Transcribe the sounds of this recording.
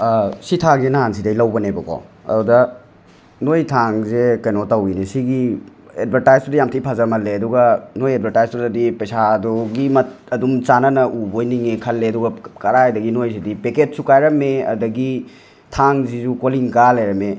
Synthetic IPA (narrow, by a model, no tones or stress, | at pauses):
sitʰaŋzenaɦansidɐjlɐwbɐnebɐkɔ̰ɐ̰dudɐ | nojtʰaŋzekɐjnotawinisiɡi | ḛdbʱɐɾtajztudɐjamtʰijpʰazamɐlːeɐduɡɐnojed̚bʱɐɾtajztudɐdipɐjsadɔɡimɐtɐdumt͡ʃanɐnɐʔubojniŋikʰɐlːeɐduɡɐkɐɾajdɐɡinojsidipeketsukajɾɐmeɐ̰dɐɡi | tʰaŋzizukoliŋkalajɾɐme